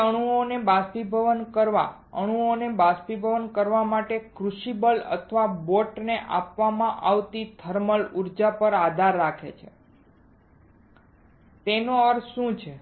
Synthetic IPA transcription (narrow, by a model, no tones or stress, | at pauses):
əɽ̃uonebaspibʱəʋənkəɾʋa̰ | əɽ̃uonebaspibʱəʋənkəɾʋamaʈekɾuʃibələ̰t̪ʰʋaboʈneʔa̰pʋamãʔaʋt̪it̪ʰəɾməluɾd͡ʒapəɾad̪ʱaɾːakʰḛt͡ʃʰḛ | t̪enoəɾʃũt͡ʃʰe